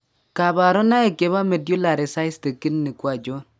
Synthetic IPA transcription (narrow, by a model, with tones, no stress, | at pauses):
ka˨ba˨ɾɔ˦na˦e˨ke˨βa˦me˨dju˦la˨ɾɛ˨sa˦ɪ˦ste˨kɪ˦nnɪ˨kwa˨d͡ʒɔ˦n